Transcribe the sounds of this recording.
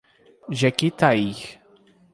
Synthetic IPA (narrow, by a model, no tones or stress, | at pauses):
ʒɛkit̪aix